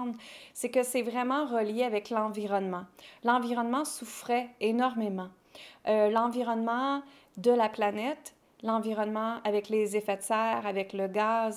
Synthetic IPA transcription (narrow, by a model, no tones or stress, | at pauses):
nsɛkəsɛvʁɛmɑ̃ʁəljeavɛklɑ̃viʁɔnmɑ̃lɑ̃viʁɔnmɑ̃sufχɛenɔʁmemɑ̃ | ølɑ̃viʁɔnmɑ̃ | d̪əlaplanɛt̪ | lɑ̃viʁɔnmɑ̃avɛklezefɛsɛːʁavɛkləɡaːz